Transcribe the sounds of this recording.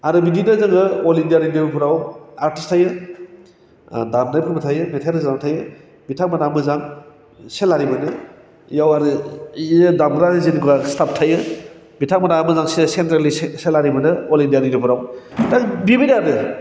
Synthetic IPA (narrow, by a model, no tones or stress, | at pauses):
aɾɯbidinɯzaŋɯolindijaɾindibpʰuɾawaɾtistʰajɯ | damnajpʰɯbɐtʰajɯmetʰajɾɯzamtʰajɯ | bitʰaŋmanamɯzaŋ | selaɾibɯnɯ | jawaɾɯiɯdamɡɾaɾɯzinikʰubastap̚tʰajɯ | bitʰaŋmanamɯzaŋsesentɾalisselaɾibɯnɯɔlindijaɾinipʰuɾawbitʰaŋbibidaɾɯ